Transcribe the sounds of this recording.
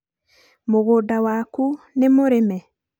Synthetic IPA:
moɣodawaku | nemoɾemɛ

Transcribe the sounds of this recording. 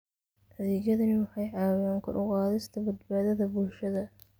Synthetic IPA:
ʔɐðɛːɣjɐðɐnɪwɑħɑjʕɑːwaːŋkʰʊ̰ɾʔʊqɑːðɪst̪ʰɐbɐd̪baːðɐðɐbʊlʃɐðɐ

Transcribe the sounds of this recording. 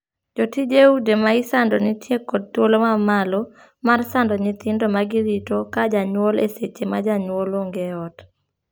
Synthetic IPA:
d͡ʒotid͡ʒeudemaɪsandɔnɪtjekɔd̚twolomamalɔ | marsandɔɲɪt̪ɪndomaɡɪɾitokad͡ʒaɲwoleset͡ʃemad͡ʒaɲwoloŋɡeɔt

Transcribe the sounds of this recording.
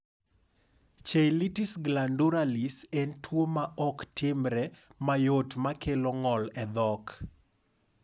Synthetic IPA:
t͡ʃejlitisɡlanduɾalisɛntʰwomaʔɔktʰɪmɾɛmajotmakʰeloŋɔlɛd̪ɔk

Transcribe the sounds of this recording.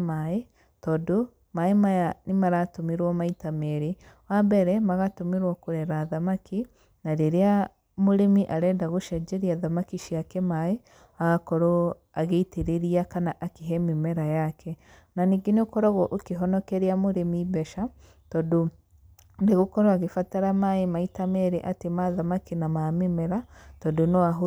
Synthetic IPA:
mae | tɔdo | maemajanemaɾatomeɾwɔmaitamɛɾe | wabɛɾɛmaɣatomeɾwɔkoɾɛɾaðamakʰi | naɾeɾea | moɾemiʔaɾɛndaɣoʃɛd͡ʒɛɾiaðamakiʃiakɛmae | aɣakɔɾo | aɣeiteɾeɾiakanaʔakeɦɛmemɛɾajakʰɛ | naniɡeneokɔɾɔɣɔʔokeɦɔnɔkɛɾeamoɾemibɛʃa | tɔdo | deɣokɔɾɔaɣefataɾamaemaitamɛɾeʔatemaðamakinamamemɛɾatɔdonoaɦo

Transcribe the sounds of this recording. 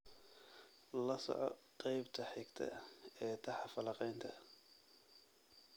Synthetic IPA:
lɐsɔ̰ʕɔ̰qɑjbt̪ʰɐħɪɡt̪ʰɐ̰ɛːt̪ʰɐħɑfɐlɑqɛjnt̪ʰɐ

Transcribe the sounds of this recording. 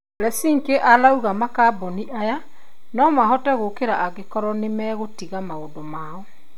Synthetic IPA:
ɾɛsiːŋkeʔalauɣamakabɔniʔaja | nɔmaɦɔtɛɣokeɾaʔaɣekɔɾɔnemɛɣotiɣamaodomaːɔ

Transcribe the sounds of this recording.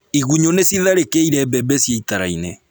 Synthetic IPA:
iɣuɲonesiðaɾekeiɾɛbɛbɛsjeitaɾa̰ine

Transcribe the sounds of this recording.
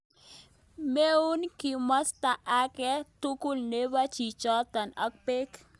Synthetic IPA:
meunkimɔst̪aʔakɛt̪ukulnewat͡ʃit͡ʃɔt̪ənək̚pek

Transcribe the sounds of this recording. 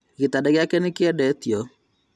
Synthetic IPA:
ɣitadɛɣjakɛnekɪɛdɛt̪jo

